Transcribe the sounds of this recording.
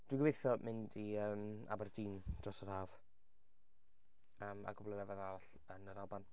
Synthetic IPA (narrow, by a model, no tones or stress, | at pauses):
d̥wɪɡəvejθjɔmʔɪndiəːma̰bardiːnd̥rɔsəɾaːv̥ | əːma̰ɡʊblɛnɛvɛðaɾaɬ | ənəɾalˠban